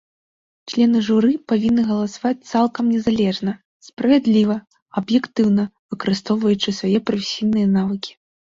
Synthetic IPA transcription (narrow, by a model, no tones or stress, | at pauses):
t͡ʂlʲɛnɨʐuɾɨpavʲinːɨɣɐlˠɐsavat͡s̚ʲt̪salˠkɐmnʲɛzalʲɛʐnɐ | spɾɐvʲɛd̪lʲivɐ | ɐbjɛkt̪ɨwnɐvɨkɐɾɨst̪ɔwvɐjut͡ʂɨsvajɛpɾɐfʲesʲijnɨjɐnavɨkʲi̥